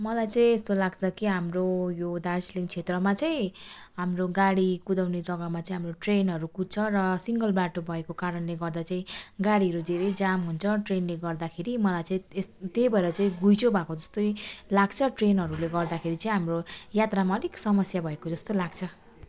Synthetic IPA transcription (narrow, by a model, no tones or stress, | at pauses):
mʌlajt͡sʌĩest̪olaɡt͡sʰʌkiɦamrojod̪arsliŋɡt͡sʰet̪rʌmat͡saĩ | ɦamroɡaɽikud̪awned͡zʌɡʌmat͡saĩɦamroʈrenɦʌɾukut̚t͡sʰʌɾʌsiŋɡʌlbaʈobʱʌekokaɾʌnleɡʌrd̪at͡saĩɡaɽiɦʌɾud͡zʱeɾʌjd͡zamɦunt͡sʰʌʈrenleɡʌrd̪akʰeɾimʌlajt͡saĩst̪ejbʱʌeɾʌt͡saĩɡujt͡sʰobʱakod͡zʌst̪ojlaɡt͡sʰʌʈrenɦʌɾuleɡʌrd̪akʰeɾit͡saĩɦamrojat̪ramaʌniksʌmʌsjabʱʌekod͡zʌst̪olaɡ̚t͡sʰʌ